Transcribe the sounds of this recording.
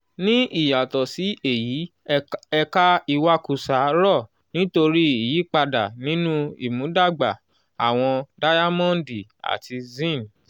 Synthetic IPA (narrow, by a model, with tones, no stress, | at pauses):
nĩ˦i˦˨ja˨tɔ˨si˨˦e˦˨ji˨˦ | ɛ˧ka˦i˧wa˦ku˧sa˨˦ɾɔ˦˨ | nĩ˦to˧ɾi˦i˨ji˨˦k͡pa˧da˨nĩ˨˦nũ˦ḭ˨mũ˨˦da˦˨ɡ͡ba˨ | a̰˨w̃ɔ̃˧da˦ja˦mɔ̃˦˨˦di˨a̰˨tʰi˧zĩ˦˨n˨